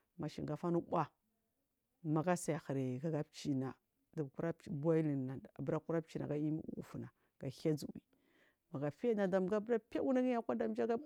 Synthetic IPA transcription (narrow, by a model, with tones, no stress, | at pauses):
ma˨ʃḭ˨ŋɡa˨fa˦nu˦ɓʷa˦ | ma˨ɡa˦sa˨ja˨xa˨ɾe˨ɡa˨˦ɡa˦pt͡ʃi˨na˨ | da˨ku˦ɾa˦ba˦i˦li˨a˨a˨bɾa˦ku˦ɾa˦p̚t͡ʃi˦˨na̰˨ɡa˦i˦mi˦ṵ˨ṵ˨fu˨na˨ | ɡ̥a˨ha˦d͡zu˨wḭ˨ | ma˨ɡa˨fi˦ja˦na˨da˨m˨ɡa˦bɾa˦pa˦u˦na˦ɡi˦ja˦kʷa˦da˨m˦d͡ʒa˦ɡa˦